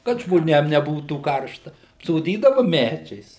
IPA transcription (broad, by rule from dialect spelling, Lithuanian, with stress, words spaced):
kɐt ʒmoːˈnʲeːm nʲɛˈbuːtuː ˈkɐrʃtɐ ɐpsoːˈdʲiːdɐʋɐ ˈmʲæd͡ʒʲɛɪs